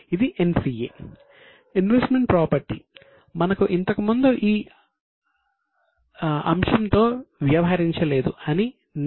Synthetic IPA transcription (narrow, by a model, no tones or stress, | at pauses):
id̪iʔensiːḛː | inʋesʈme̞ɳʈ̚pɾaːpɐɾʈi | mɐnɐkuʔint̪ɐkumund̪uʔiː | ɐ̰mʂɐmt̪o̞ːʋjaːʋɐɦɐɾiɲt͡ʃɐle̞ːd̪uɐni | n